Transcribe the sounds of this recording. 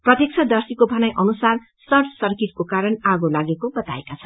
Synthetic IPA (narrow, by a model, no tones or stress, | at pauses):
prʌt̪jek̚t͡sʰʌd̪ʌrsikobʱʌnajʔʌnusar | sʌrʈʰsʌrkit̪̚kokaɾʌnaɡolaɡekobʌt̪a̰ekat͡sʰʌ